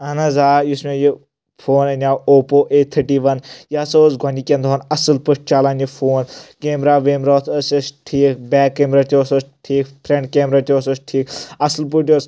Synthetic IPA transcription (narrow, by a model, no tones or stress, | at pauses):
ɐnɐzaːjusmẽji | fʰoːnɐnʲaːwoːpoːʔeːt̪ʰəʈiːʋɐnjaːsozɡʱɐnʲikʲẽnd̪ʱɦonɐsɨlpɨʈ̚t͡ʃaːlaːnjifʰoːnkeːmɾaːʋeːmɾoːt̪ʰəsɐsʈʰiːkbɛːkːemɾaːt̪ʲioːsosʈʰiːkp̪ʰɾẽɳɖkeːmɾaːt̪ʲʰoːsosʈʰiːkɐsɨlp̬uʈ̬ʲoːs